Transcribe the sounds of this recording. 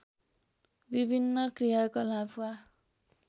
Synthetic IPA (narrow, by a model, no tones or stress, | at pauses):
bibʱinːʌkrijakʌlapʰwa